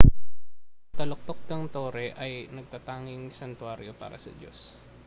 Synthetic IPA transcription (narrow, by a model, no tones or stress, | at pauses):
t̪ɐlok̚t̪ok̚nɐŋt̪oːɾɛʔɐjnɐɡ̚t̪at̪aːŋɪŋsɐnt̪waːɾjopa̰ːɾɐsɐ̰d͡ʒo̰s